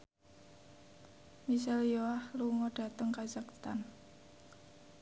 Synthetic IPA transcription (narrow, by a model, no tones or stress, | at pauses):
mis̬ɛljoahluŋɔɖ̥a̤t̪əŋkaz̥akt̪an